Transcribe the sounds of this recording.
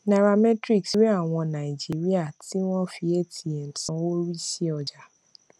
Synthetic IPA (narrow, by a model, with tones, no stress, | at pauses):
na˨ɾa˨mɛ˦tɾi˦˨ksi˨˦ɾi˦a˦˨w̃ɔ̃˧na˨i˨d͡ʒi˦ɾi˦a˦˨ti˦wɔ̃˦fi˧e˦tʰi˨e˨n̩˨tɔ̃˨˦wo˦ɾi˦si˦ɔ˧d͡ʒa˨